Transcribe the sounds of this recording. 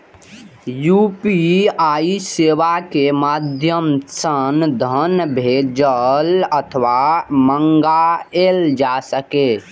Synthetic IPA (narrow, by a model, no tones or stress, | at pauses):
jupiaiseʋakemad̪ʱjəmsənd̪ʱənbʱed͡ʒələt̪ʰəʋaməŋɡaeld͡ʒasəke